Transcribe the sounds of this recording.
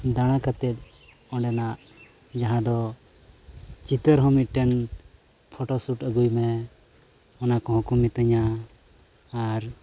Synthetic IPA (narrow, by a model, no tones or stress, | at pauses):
d̪aɽ̃akat̪ɛt̪̚ | ɔ̃ɖɛnaʔ | d͡ʒaɦãd̪ɔ | t͡ʃit̪əɾɦɔmit̪̚ʈɛn | pʰɔʈɔsuʈəɡujmɛ | ɔnakɔ̃ɦɔ̃kɔmit̪əɲa | ɾ